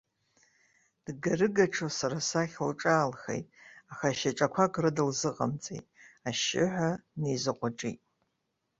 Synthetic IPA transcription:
d̥ɡarɨɡaʈ͡ʂʰosaɾasaχʲlʈ͡ʂʼaːlxḛjtʼaxaʃaʈ͡ʂʼakʷʰakʼrɨdɨlzɨqʼa̰mt͡sʼḛjtʼaʃɪħʷanejzɨqʷʼaʈ͡ʂʼḭtʼ

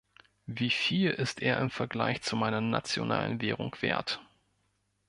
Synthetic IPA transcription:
viːfiːlɪstʔeːɐʔɪmfɛɐɡla̰ɪçt͡sumaɪnɐna̰t͡sjo̰nʔa̰ːlə̰nvɛːʁʊ̰ŋv̥ḛːɐt

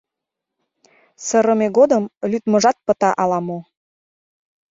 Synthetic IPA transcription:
səɾəmeɣod̪əmlyt̪mə̆ʒɑt̪̚pə̆t̪ɑʔɑlɑmo

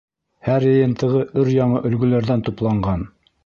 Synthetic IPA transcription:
hæɾjɤ̆jɤ̆nt̪ɤ̆ʁɤʔɵɾjɑɴɤʔɵ̆lɡɵ̆læɾðænt̪uplˠɑɴɢɑn

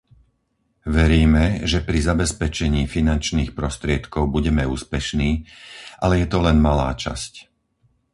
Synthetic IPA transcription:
ʋɛɾiːmɛʒɛpɾizabɛspɛt͡ʃɛɲiːfinant͡ʃniːxpɾɔst̪ɾɪɛt̪kɔʊbuɟɛmɛuːspɛʃniːʔalɛjɛt̪ɔlɛnmala̰ːt͡ʃa̰sc

